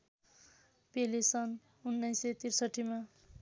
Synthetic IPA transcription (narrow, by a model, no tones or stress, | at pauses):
pelisʌn | unːʌjset̪irsʌʈʰːima